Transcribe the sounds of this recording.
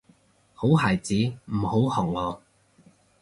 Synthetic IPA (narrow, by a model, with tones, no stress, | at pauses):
ho˨˥wɦaː˨˩jt͡siː˨˥m̩˨˩ho˨˥whɔː˨˩ŋ̚ŋɔː˨˧